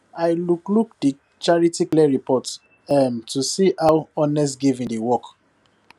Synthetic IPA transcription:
ajlukluk̚di | t͡ʃaɹitiklɛɹipɔt | ɛmtusiʔawɔ̃nɛs̬tɡivĩŋdiwɔk

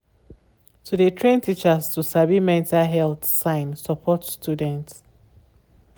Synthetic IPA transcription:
tʰudetʰɹẽntʰit͡ʃastusabimɛ̃ntaɦɛlθsãɪ̃nsɔpʰɔtstjudɛ̃nt

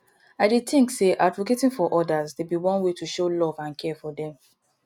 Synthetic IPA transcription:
aɪdetĩŋkseʔadvoketĩŋfɔʔɔdazdebiwɔ̃nwetuʃolɔvãnkʰɛfɔdɛ̃m

